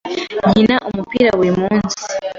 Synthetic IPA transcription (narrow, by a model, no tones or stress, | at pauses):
ɲinaʔomupiːɾaweːmuːnsi̥